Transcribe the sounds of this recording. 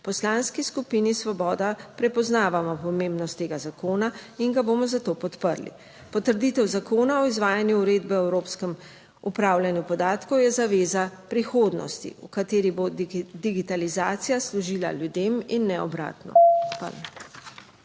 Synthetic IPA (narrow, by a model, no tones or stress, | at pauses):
pɔslaːnskiskupinisʋɔbɔːd̪apɾɛpɔznaːʋamɔpɔmẽmbnɔst̪ːeːɡazakoːnaiŋɡabomɔzat̪oːpɔt̪pəɾlḭ | pɔt̪əɾd̪it̪ɛwzakoːnaɔizʋaːjanjuːɾeːd̪bɛɛwɾoːpskɛm | upɾaːwlʲjanjupɔd̪aːt̪kɔwjɛzaʋeːzapɾixoːd̪nɔ̰st̪ḭukat̪eːɾibod̪iɡit̪alizaːt̪sijaslɔʒiːla̰ljud̪eːminːɛɔ̰bɾa̰ːt̪nɔ̰pa̰l